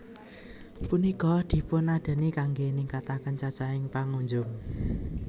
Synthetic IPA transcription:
punikɔd̪̥i̤pʊnad̪̥ə̤nikaŋɡenɪŋkat̪akənt͡ʃat͡ʃaɪŋpaŋuɲd͡ʒʊŋ

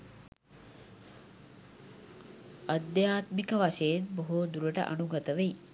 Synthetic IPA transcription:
ɐd̪jaːt̪mikɐʋaʃeet̪̚boɦod̪uɾɐʈɐ̰ʔɐ̰nuɡɐt̪ɐʋej

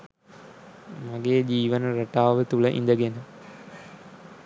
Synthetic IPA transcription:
maɡeːd͡ʑiːʋənɐɾɐʈaːʋət̪uɭəʔḭnd̪əɡenə

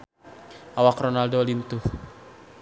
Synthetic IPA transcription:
ʔawakrɔnaldɔlint̪uh

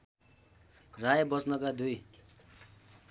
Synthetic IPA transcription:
rajbʌsnʌkad̪uj

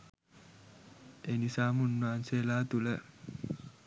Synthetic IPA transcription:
eːnisaːmunːaːnseːlaːt̪ulə

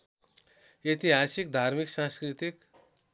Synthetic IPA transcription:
et̪iɦasikd̪ʱaɾmiksãskɾit̪ik

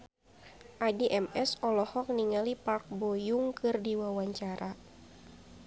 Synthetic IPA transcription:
ʔadiʔɛmɛsɔlɔhɔk̚niŋalipark̚bojuŋkɨrdiwawaɲt͡ʃaɾa

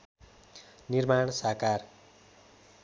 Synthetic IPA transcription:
nirmaɳ̃sakar

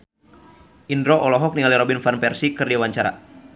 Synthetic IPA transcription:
ʔindɾoʔɔlɔɦɔk̚niŋaliɾɔbinfanpɛrsikɨrdiawaɲt͡ʃaɾa̰

